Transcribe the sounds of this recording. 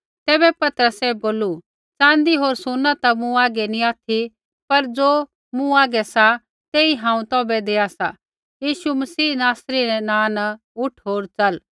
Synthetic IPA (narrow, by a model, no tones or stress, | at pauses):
t̪ɛːbɛpɐt̪əɾəsɛboːlu | t͡sãːnd̪iɦoːɾsʊnːat̪amũaːɡɛnĩaːt̪ʰi | pɐɾd͡zoː | mũaːɡɛsa | t̪eːiɦãːũt̪ɔːbɛd̪eːasa̰ | jiːʃumɐsiːnaːsɾiɾɛnãːna | ʊʈʰɦoːɾt͡sɐl